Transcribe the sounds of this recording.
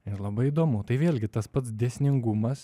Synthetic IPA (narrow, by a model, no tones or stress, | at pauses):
ɪɾlˠɐbɐɪid̪oːmʊt̪ɐɪʋʲeːlʲɡʲɪt̪ɐspɐt̪sd̪ʲesʲnʲɪŋɡumɐs